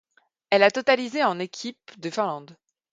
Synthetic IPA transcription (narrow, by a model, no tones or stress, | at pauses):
ɛlat̪ɔt̪alizeɑ̃nekʲʰip̚d̪əfɛ̃lɑ̃d̪